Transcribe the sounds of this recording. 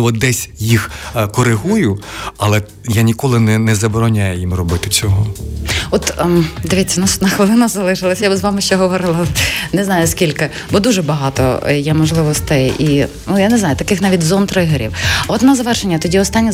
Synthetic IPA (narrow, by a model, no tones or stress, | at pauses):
ʋɔd̪ɛsʲjixkɔɾɪɦujʊɐlˠɛ | janʲikɔlˠɪnɛnɛzɐbɔɾɔnʲajɛjimrɔbɪt̪ɪt͡sʲɔɦɔɔt̪d̪eʋʲit̪ʲt͡sʲːɐnasnɐxʋelˠɪnɐszɐlˠɪʃɪlˠɐsʲjabzʋɑmɪʃt͡ʃɛɦɔʋɔɾɪlˠɐnɛznɑjʊskʲilʲkɪ | bɔd̪uʒɛbɐɦɑt̪ɔ̰jɛmɔʒlˠɪʋɔst̪ɪjjʔinujaneznɑjʊt̪ɐkɪxnɑʋʲitʲzɔnt̪ɾɪɦeɾʲḭwɔd̪nɐzɐʋɛrʃenʲːɐt̪ɔdʲiɔst̪ɑnʲːi